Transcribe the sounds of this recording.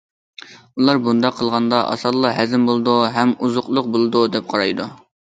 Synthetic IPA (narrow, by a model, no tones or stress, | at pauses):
ulˠɑɾbund̪ɑqʰːəlˠʁɑnd̪ɑʔɑ̰sɑɾlˠːɑɦɛzɪmbolˠd̪uɦɛmuzʊqlˠʊq̚bolˠɨd̪ud̪ɛp̚qʰɑɾɑjd̪u